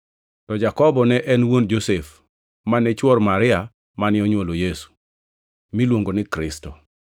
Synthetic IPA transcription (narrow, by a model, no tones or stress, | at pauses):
tɔd͡ʒakɔbɔnɛʔɛnwond͡ʒosef | manɛt͡ʃwɔrmaɾɪa | manɪɔɲwolojesu̥ | milwoŋɡonɪkɾɪstɔ